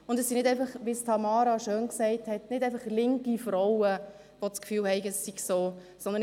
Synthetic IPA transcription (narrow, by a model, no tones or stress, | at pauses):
ʊndɛsinɪdæɪfɑχʋistʰɑmɑːɾɑʃøːnksɛɪthɛtnɪdɛɪfɑχlɪŋkifɾɔwə | ʋot͡skfyːlhɛɪɡəɛsːiksoː | sɔndən